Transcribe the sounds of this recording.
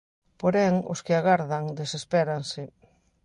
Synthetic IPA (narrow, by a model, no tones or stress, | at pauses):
poɾɛŋʊ̰skɪaɣaɾðaŋd̪esespɛɾansɪ